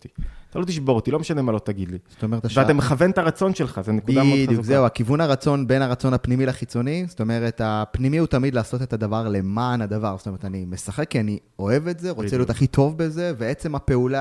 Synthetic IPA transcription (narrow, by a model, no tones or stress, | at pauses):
tit̪alot̪iʃbo̞ʁt̪ilo̞meʃanemalo̞t̪aɡid̪liz̥ot̪ome̞et̪aveat̪ameχavent̪aʁat͡so̞nʃelχazenekudadjukzeuakivunaʁat͡so̞nbe̞naʁat͡so̞nhapnimilaχit͡so̞nizo̥t̪o̞me̞ʁe̞t̪apnimiut̪amid̪laːso̞t̪e̞t̪ad̪avaʁle̞maːnad̪avaʁzotometanime̞saχe̞kːiani | o̞e̞vetze̞ʁot͡seliot̪aχit̪ʰo̞vbe̞ze̞veet͡se̞mape̞ula